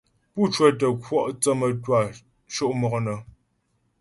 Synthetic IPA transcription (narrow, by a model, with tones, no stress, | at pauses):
pu˦˨t͡ʃwɛ˦˨tə˨kwɔ˦ʔt͡sə˦mə˨twa˨ | ʃo˦ʔmɔ˨ɣnə˨